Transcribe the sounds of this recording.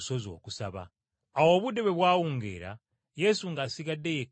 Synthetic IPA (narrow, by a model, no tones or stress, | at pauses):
so̞zo̞̰ːkusaβa̰ː | wo̞ːβude̞βe̞βwaːwuːŋɡḛːɾa̰ | je̞suŋɡasiɡadːe̞je